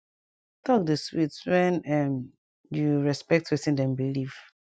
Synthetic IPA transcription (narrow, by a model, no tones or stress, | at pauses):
tɔk̚dəswitswɛ̃nɛm | juɹɛspɛk̚twitĩndɛ̃mbiliv̥